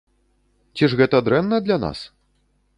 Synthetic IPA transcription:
t͡sʲiʐɣɛt̪ɐd̪ɾɛnːɐd̪lʲana̰s

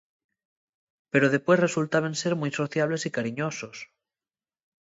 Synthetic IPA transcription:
pe̞ɾoð̞epwe̞sresult̪aβ̞ẽnseɾmujsoθjaβ̞le̞sikaɾiɲosos

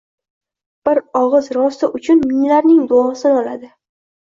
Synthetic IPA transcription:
b̥ɪɾɒʁɨzɾɒst̪ɪʔʊt͡ʃʰʊnmɪŋlaɾnɪŋd̪oɒsɪnɒla̰d̪ɪ

